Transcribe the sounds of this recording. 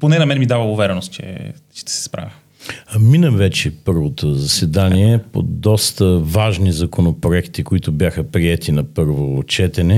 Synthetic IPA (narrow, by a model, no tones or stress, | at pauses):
ponɛnɐmɛnɛmid̪avəʊvɛɾɛnost̪̚t͡ʃɛ̰t͡ʃɛ̥t̪ɛ̥sɛ̥spɾa̰vʲi | minəmvɛt͡ʃɛpɤɾvot̪ozɐsɛd̪aniɛpo̰d̪ɔst̪əvaʒnizɐkonopɾoɛkt̪ikoit̪ʊbjaxəpɾiɛt̪inɐpɤɾvot͡ʃɛt̪ɛnɛ